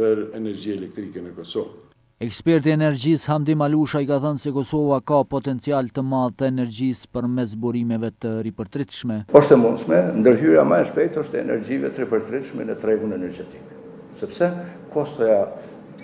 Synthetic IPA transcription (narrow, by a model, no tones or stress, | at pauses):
əɾɛnɛɾd͡ʑiɛlɛk̚t̪ɾikɛnəkɔsɔv | ɛkspɛɾt̪iɛnɛɾd͡ʑishamd̪imaluʃaikaθənsɛkɔsɔvakapɔt̪ɛnt͡sialt̪əmaðt̪əɛnɛɾd͡ʑispəɾmɛs̬buɾimɛvɛt̪əripəɾt̪ɾit̪ʃmɛɔʃt̪ɛmund̪smɛnd̪əɾɦyɾija̰maɛʃpɛjt̪ɔʃt̪ɛɛ̰nɛ̰ɾd͡ʒivɛ̰t̪əɾipəɾt̪ɾit̪ʃmɛnɛt̪ɾɛɡunɛnɛɾd͡ʒɛt̪i̥k | sɛpsɛkʰɔst̪ɔja